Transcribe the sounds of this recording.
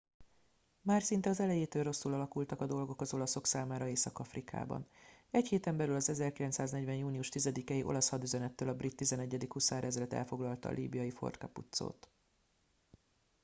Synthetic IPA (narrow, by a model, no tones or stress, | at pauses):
maːrsint̪ɛɒzɛlɛjeːt̪øːlro̞sːulɒlɒkult̪ɒkɒd̪o̞lɡo̞kɒzo̞lɒso̞ksaːmaːɾɒeːsɒkɒfrika̰ːbɒ̰nɛcheːt̪ɛmbɛlylɒzɛzɛrkilɛnt̪saːznɛɟvɛnjuːnijuʃt̪izɛd̪ikɛjiʔo̞̰lɒshɒd̪yzɛnɛt̪ːøːlɒbrit̪ːizɛnɛɟːɛd̪ikhusaːɾɛzlɛt̪ɛ̰lfo̞ɡlɒlt̪ɒ̰lʔḭːbijɒjifo̞̰rt̪kɒ̰pṵt̪so̰ːt̪